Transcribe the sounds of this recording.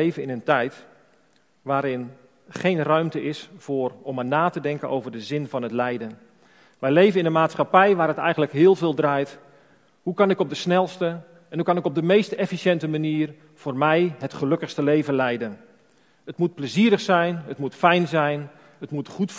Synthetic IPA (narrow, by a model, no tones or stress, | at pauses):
ejvənɪnəntɛjt | ʋaːɾɪn | χejnrœɥmtəʔɪsfʊːrɔmanaːtədɛŋkənowvərdəzɪnvɑnətlɛjdən | ʋɛjlejvənɪndəmaːtsχapɛjʋaːɾətɛ̰jɣəntləkɦɪːlˠvɪːlˠdraːjt | hukɑnɪkɔb̚dəsnɛlˠstə | ɛnhukɑnɪkɔb̚dəmejstɛfisjɛntəmaniːr | v̥oːrmɛjɦətχəlɵkəxstəlejvənlɛjdən | ətmut̚pləziəɾəχsɛjnətmutfɛjnzɛjn | ətmutχut